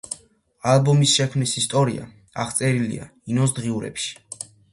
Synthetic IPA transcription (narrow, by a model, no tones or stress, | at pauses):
albɔmisʃɛkʰmnisist̪ʼɔɾḭa̰ | aχt̪sʼɛɾilḭa̰inɔsd̪ʁiuɾɛ̰pʃi̥